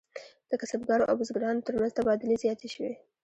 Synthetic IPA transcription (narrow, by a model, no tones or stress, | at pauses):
d̪̥əkasabɡɑɾoʔa̰wʊzɡɾɑnot̪əɾmanz̥t̪abɑd̪ɪlezjɑt̪eʃəwe